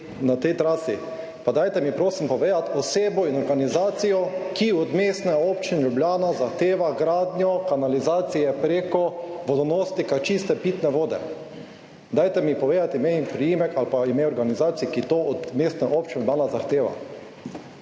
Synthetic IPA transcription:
nat̪ɛjt̪ɾaːsi | pad̪ajt̪ɛmipɾoːsimpɔʋeːd̪at̪ɔseːbɔinɔɾɡanizaːt̪sijɔkiɔd̪meːst̪nɛɔːpt͡ʃinʎubljaːnazaxt̪eːʋaɡɾaːd̪nʲjɔkanalizaːt̪sijɛpɾeːkɔʋɔd̪ɔnoːst̪ikat͡ʃist̪ɛpiːt̪nɛʋoːd̪ɛ̰ | d̪ajt̪ɛmipɔʋeːd̪at̪imempɾijimɛkalpaimeɔɾɡanizaːt̪sijkit̪oːɔd̪meːst̪nɛʔoːp̚t͡ʃinʲublaːnazaxt̪eːʋa̰

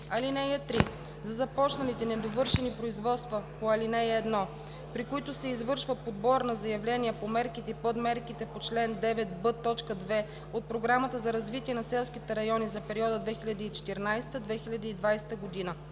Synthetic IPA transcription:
ɐlinɛjɛt̪ɾi | zɐzɐpɔt͡ʃnɐlit̪ɛnɛd̪ovɤɾʃɛnipɾoizvɔt̪st̪vəpoɐlinɛjɛd̪nɔ | pɾikʊit̪ʊsɛizvɤɾʃvəpod̪̚bɔɾnɐzɐjɐvlɛniɛpomɛɾkit̪ɛipod̪mɛɾkit̪ɛpot͡ʃlɛnd̪ɛvɛt̪̚bɤt̪ːɔt͡ʃkəd̪vɛ | ot̪̚pɾoɡɾamət̪əzɐɾɐzvit̪iɛnɐsɛlˠskit̪ɛɾɐjɔnizɐpɛɾiɔd̪əd̪vɛxilʲɐd̪iit͡ʃɛ̥t̪ɛɾnajst̪əd̪vɛxilʲɐd̪iːd̪vajsɛ̥t̪əɡod̪inə

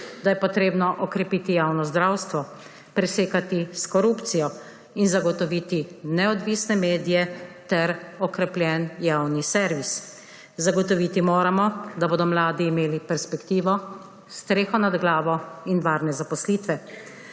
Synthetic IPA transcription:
d̪ajɛpɔt̪ɾeːbnɔʔɔkɾɛpiːt̪ijawnɔzd̪ɾawst̪ʋɔ | pɾɛseːkat̪iskɔɾupt̪sijɔ | inzaɡɔt̪ɔʋiːt̪inɛɔd̪ʋiːsnɛmeːd̪ijɛt̪ɛɾɔkɾɛplʲjɛnjawnisɛɾʋis | zaɡɔt̪ɔʋiːt̪imoːɾamɔd̪aboːd̪ɔmlaːd̪iːmeːlipɛɾspɛkt̪iːʋɔ | st̪ɾeːxɔnad̪ɡlaːʋɔinʋaːɾnɛzapɔsliːt̪ʋɛ

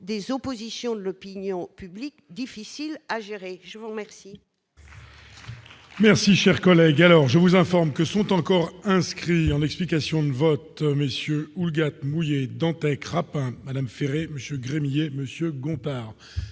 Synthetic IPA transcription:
d̪ezɔpozisjɔ̃d̪əlɔpinjɔ̃pyblikd̪ifisilaʒeʁeʒəvuʁmɛʁsi | mɛʁsiʃɛʁkɔlɛɡalɔʁʒəvuzɛ̃fɔʁmkəsɔ̃t̪ɑ̃kɔʁɛ̃skχiɑ̃nɛksplikasjɔ̃d̪əvɔt̪məsjøulɡat̪mujed̪ɑ̃t̪ɛkʁapɛ̃mad̪amfeʁeməsjøɡʁemijeməsjøɡɔ̃t̪aːʁ

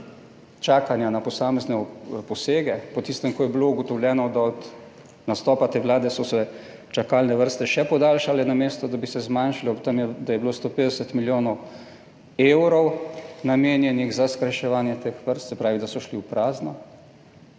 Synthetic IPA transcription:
t͡ʃaːkanjanapɔsaːmɛznɛpɔseːɡɛpɔt̪ist̪ɛmkɔjɛbilouɡɔt̪ɔwljɛːnɔd̪aɔt̪ | nast̪ɔːpat̪eːʋlaːd̪ɛsɔsɛ | t͡ʃakaːlnɛʋəɾst̪ɛʃɛpɔd̪aːlʃalɛnameːst̪ɔd̪abisɛzmanʃalɔt̪amjɛd̪ajɛblost̪oːpeːd̪ɛsət̪miljoːnɔw | eːwɾɔwnameːnjɛniɣzaskɾajʃɛʋaːnjɛt̪eːxʋəɾst̪sɛpɾaːʋid̪asɔʃliuwpɾaːznɔ

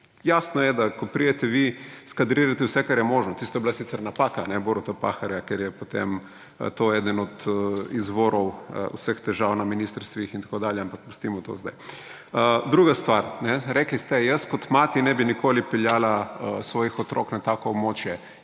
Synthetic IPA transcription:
jaːsnɔjɛd̪akɔpɾiɛt̪ɛʋiskad̪ɾiːɾat̪ɛwsɛkaɾjɛmoːʒnɔt̪ist̪ɔjɛbilasit̪sɛɾnapakanɛboɾot̪apa̰xaɾjakeɾjɛpot̪ḛm̰ | t̪oɛd̪ənɔt̪izʋoːɾɔw̰usəxt̪ɛʒawnaminist̪əɾst̪ʋixint̪akoːd̪aːljɛampak̚pu̥st̪imɔt̪o̰zd̪a̰j | əd̪ɾuːɡast̪ʋaɾnɛɾɛklist̪ɛjəskɔt̪maːt̪inɛbinikʰoːlipɛljaːlaəsʋɔːjixɔt̪ɾʔɔ̰knat̪aːkɔːbmoːt͡ʃjɛ

